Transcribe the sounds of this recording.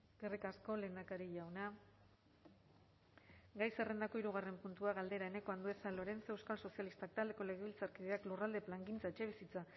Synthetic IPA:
ɡ̥erikasko̞le̞ːnd̪akaɾiʝawna | ɡajse̞re̞nd̪ako̞iɾuɣ̞are̞mpunt̪uaɣald̪e̞ɾae̞ne̞ko̞and̪ue̞salo̞ɾe̞nse̞wskalso̞sialist̪ak̚t̪ald̪e̞ko̞le̞ɣ̞eβilt͡saɾkiðeaklurald̪e̞plaŋɡint͡saet͡ʃe̞β̞isit͡sa

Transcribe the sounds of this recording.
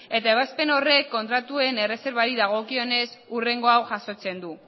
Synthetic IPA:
e̞t̪aeβaspe̞no̞re̞kːo̞nt̪ɾat̪ue̞ne̞rese̞ɾβaɾiðaɣ̞o̞kio̞ne̞sure̞ŋɡo̞awʝaso̞t͡se̞nd̪u

